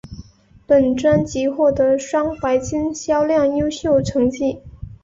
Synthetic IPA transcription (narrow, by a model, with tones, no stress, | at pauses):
pə˨˩nʈ͡ʂwa˥nt͡ɕi˧˥xwɔ˥˩t̪ɤ˧˥ʂwɑ˥ŋpa˧˥ɪt͡ɕi˥nɕjɑ˥ʊljɑ˥˩ŋjo˥ʊɕjo˥˩ʊʈ͡ʂʰɤ˧˥ŋt͡ɕi˥˩